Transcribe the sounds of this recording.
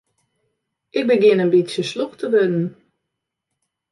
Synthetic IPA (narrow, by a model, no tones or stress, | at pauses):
ʔɪk̚bəɡɪnənbitsjəsloxtʰəʋødn̩